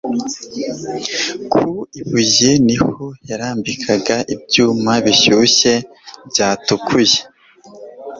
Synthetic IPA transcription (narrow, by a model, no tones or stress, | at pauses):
kʰuiβuɟenihojaɾaːmbikʰaɡaʔibɟuːmaβiçuɕe̞ | bɟaːtukʰuje